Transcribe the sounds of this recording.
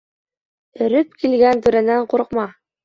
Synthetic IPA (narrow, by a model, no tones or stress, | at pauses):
ɘ̆ɾɘp̚kilɡænt̪ʉɾænæɴquɾɤ̆qmɑ